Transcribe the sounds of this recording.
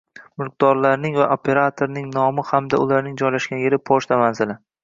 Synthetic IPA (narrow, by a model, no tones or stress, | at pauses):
mɪlq̚d̪ɒɾlaɾnɪŋvaʔopʰe̞ɾat̪ʰoɾnɪŋnɒmɪhamd̪aʊlaɾnɪŋd͡ʒɒjlaʃkʲanjeɾɪpʰoʃt̪amanzɪlɪ